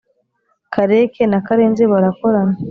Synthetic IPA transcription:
kʰaɾekʰenakaɾeːnzeβaɾakoɾana

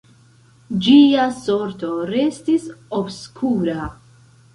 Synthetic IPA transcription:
d͡ʒiasoɾt̪o̞ɾestisobskʰuɾa

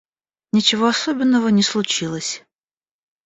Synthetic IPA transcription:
nʲɪt͡ɕɪvoɐsobʲɪnːəvənʲɪslˠʊt͡ɕilˠəsʲ

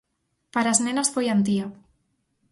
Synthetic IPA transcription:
paɾaznenasfojant̪̬io

